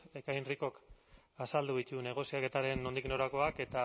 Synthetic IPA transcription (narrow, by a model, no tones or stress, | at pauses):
e̞kajnriko̞k | asald̪uit̪une̞ɣ̞o̞siake̞t̪aɾe̞no̞nd̪ikno̞ɾako̞ake̞t̪a